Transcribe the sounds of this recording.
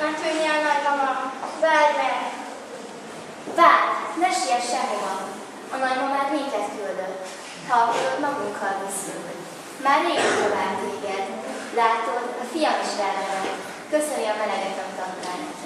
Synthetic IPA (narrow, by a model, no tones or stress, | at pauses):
ɒt̪øɲɛnɒɾɡɒmɒvaːdnɛk | vaːnɛʃijɛʃɛɦomɒ | ɒmɛjmomaːrmiːk̪ɛt̪kyld̪øt̪ː | hɒføt̪mɒɡuŋkʰːɒlvisyl | maːrːeːɡɛnt̪ovaːbːeːɡɛnlaːt̪onɒfijɒmiʃɾɛlɛɾɛ | køsøniɒmɛnɛɡɛt̪ɛkt̪ɒkːaːjt̪